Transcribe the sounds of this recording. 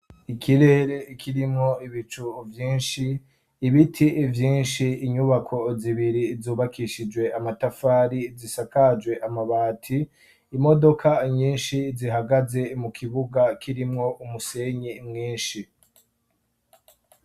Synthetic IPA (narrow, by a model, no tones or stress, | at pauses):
ikʰiɾe̞ɾe̞ikʰiɾimŋo̞iβit͡ʃuvjiːnʃiː | βitʰivjiːnʃiːɲuβakʰo̞ziβiɾizuːβakʰiʃid͡ʒwe̞ʔamatafaːɾizisakad͡ʒɡwe̞ʔamaβaːtʰiː | mo̞do̞kʰaɲiːnʃiziɦaɡaze̞mukʰiβuɡakʰiɾimŋo̞ʔumuse̞ɲimŋiːnʃi